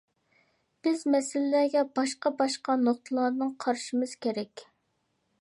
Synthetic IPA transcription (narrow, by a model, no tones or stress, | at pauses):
b̥ɪzmɛsɪlɪːæɡʲɛbɑʃqɑbɑʃqɑnoχt̪ʰəlˠɑɾnɨŋqʰɑɾʃimɨz̥kʲeɾɛkʲ